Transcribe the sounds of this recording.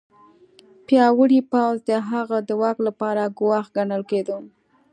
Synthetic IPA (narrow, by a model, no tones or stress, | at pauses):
pjɑwəɽipawzd̪əɦaɣad̪əwɑklapɑɾaɡʊwɑxɡanəlked̪u